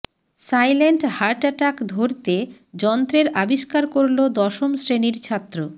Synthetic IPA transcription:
sajleɳʈhaɾʈaʈakd̪ʱoɾt̪e | d͡ʑɔnt̪ɾeɾabiʃkaɾkoɾlod̪ɔʃomsɾeniɾt͡ɕʰat̪ːɾo

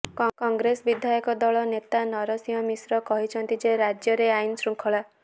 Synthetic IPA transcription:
kɔŋɡɾesbid̪ʱjajɔkɔd̪ɔɭɔnet̪anɔɾɔsiɔmisɾɔkɔɦit͡ʃʰɔnt̪id͡ʒeɾad͡ʒjɔɾeainsɾuŋkʰɔɭa

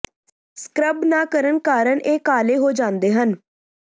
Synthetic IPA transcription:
skɾəbnaːkəɾəɳkaːɾəɳʔeːkaːleːɦoːd͡ʒãːnd̪eːɦən

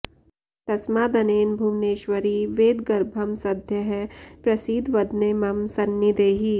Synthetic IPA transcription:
t̪ɐsmaːd̪ɐneːnbʱumneːʃʋɐɾiːʋeːd̪ɡɐɾbʱɐmsɐd̪ʱjɐɦɛpɾɐsiːd̪ʱʋɐd̪neːmɐmsɐnːid̪eːɦi

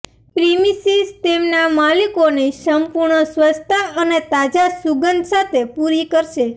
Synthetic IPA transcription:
pɾimisizt̪emnamalikonesəmpuɾɳəswəst̪ʰaənet̪ad͡ʒasuɡənd̪ʱsat̪ʰepuɾikəɾʃe

